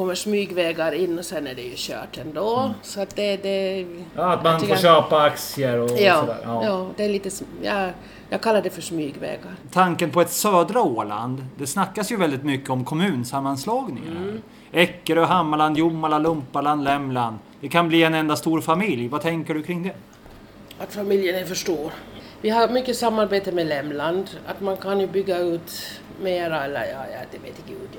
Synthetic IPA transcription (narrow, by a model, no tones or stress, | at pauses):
kʰɔmːəʂmyːɡvɛːɡaɾɪnːɔsɛnæɖɛjɵɕœ̰ːʈɛnd̪oːsɔat̪̚d̪ɛd̪ɛ | at̪manfoɕøːpaaksɪəɾɔɑːɔd̪æ̰ːjɑːd̪ɛæɭiːt̪əsjɑ | jɑɡ̚kʰalːaɖ̪ɛfœʂmyːɡvɛ̰ːɡaɾt̪ʰaŋkənpʰɔɛt̪søːd̪ɾaoːɭa̰nd̪d̪ɛsnakːasjɵvɛld̪ɪt̪mʏkːəɔmkʰɔmʉ̟ːnsamːanslɑːɡnɪŋa̰ | ɛkːəɾɔɦamːaland̪jʊmːalalɵmpaland̪lɛmːland̪ | d̪ɛkʰanbliːɛnɛnd̪ast̪uːɾfamɪljvat̪ʰɛŋkəɖɵkʰɾɪŋd̪ɛ | at̪famɪljənɛfœʂʈoːɾvɪhaɾmʏkːəsamːaɾbeːt̪əmɛlɛmland̪a̰t̪mankʰanjɵbʏɡːaʉːt̪ | meːɾalːə̰jɑ̰ːjɑ̰d̪ɛveːt̪əɡʉ̰ːd̪